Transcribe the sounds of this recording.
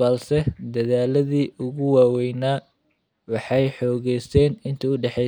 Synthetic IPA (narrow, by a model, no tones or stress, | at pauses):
ɐlsɛd̪ɐðaːlɐðiːʔʊɣʊwaːwɛjnaː | wɑħɑjħɔːɣɛjsʰɛːnɪnt̪ʰɐʊɖɛħɛ